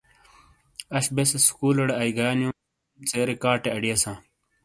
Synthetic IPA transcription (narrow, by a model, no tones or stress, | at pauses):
ɐɕbesɐskuːlɐɽeɐjɡaːnju | t͡seːɾekaːʈeɐɽiɐsãː